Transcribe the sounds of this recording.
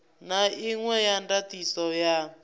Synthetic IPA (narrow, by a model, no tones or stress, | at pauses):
naiŋwɛjandatisɔja